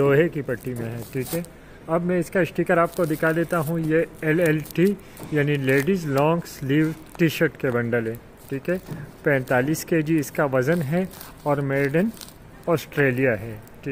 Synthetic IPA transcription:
d̪oːɦekipɐʈːimẽɦɛ̃ːʈʰiːkɦɛ | ɐbmɛ̃ɪskaɪsʈiːkəɾaːp̚kod̪ɪkʰad̪eːt̪aɦũjeɛlɛlʈi | jaːnileːɖizlɔ̃ːŋɡsliːʋ | ʈiʃəɾʈkebɐ̃ɳɖəlɦɛ̃ː | ʈʰiːkɦɛpɛ̃ːnt̪aːliːskeːd͡ʒiɪskaʋɐzənɦɛ | ɔːɾmeːɾɖən | ɔːsʈɾeːlijaɦɛːʈʰiː

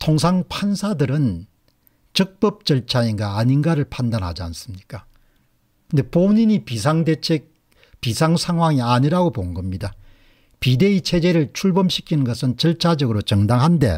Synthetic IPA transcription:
tʰoŋs̬ʰaŋpʰansʰadɯɾɯn | t͡ɕɯk̚p͈ʌp̚t͡ɕʌɭt͡ɕʰainɡaːɲinɡaɾɯɭpʰandanɦa̰d͡ʑia̰ns͈ɯmɲik͈a | kʰɯnde̞poɲiɲipisʰaŋdet͡ɕʰe | pisʰaŋsʰaŋɦwaŋiaɲiɾaɡopoɯnɡʌmɲida | pide̞it͡ɕʰe̞d͡ʑe̞ɾɯɭt͡ɕʰuɭbʌmɕʰi̥kʰinɯnɡʌsʰɯnt͡ɕʌɭt͡ɕʰad͡ʑʌɡɯɾot͡ɕʌŋdaŋɦande̞̰

